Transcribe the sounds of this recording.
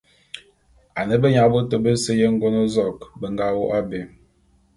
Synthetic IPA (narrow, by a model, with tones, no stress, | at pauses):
a˨nə˦bə˦ɲa˦bo˦to˦˨bə˦sə˦je˦ŋ̩˦ɡo˦no˦zɔ˨kbə˨ŋɡa˦wo˦ʔa˦be˨